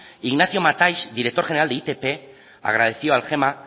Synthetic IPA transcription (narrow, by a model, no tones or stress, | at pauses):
iɣnaθjo̞mat̪ajsd̪iɾe̞k̚t̪oʝeneɾald̪eit̪epe | a̰ɣ̞ɾað̞e̞θioalxe̞ma